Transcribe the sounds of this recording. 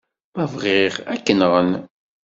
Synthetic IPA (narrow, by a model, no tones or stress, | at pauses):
mævʁɪʁækːənʁən